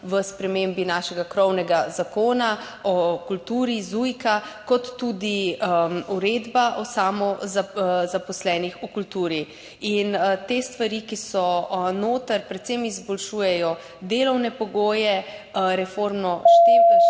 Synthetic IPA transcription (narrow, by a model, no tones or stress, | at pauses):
ʋəspɾɛmembinaːʃɛɡakɾɔwnɛɡazakoːna | ɔkult̪uːɾizujkakɔt̪ːud̪i | uɾeːd̪baʔɔsaːmɔzazapɔslɛːnixukult̪uːɾi | int̪eːst̪ʋaɾikisɔnoːt̪əɾpɾɛt̪semizbɔlʃuːjɛjɔ | d̪eːlɔwnɛpɔɡoːjɛɾɛfoːɾmnɔʃt̪eː